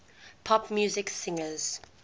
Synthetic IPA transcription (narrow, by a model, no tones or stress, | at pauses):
pʰɔpmjuːzɪksɪ̃ŋəz̥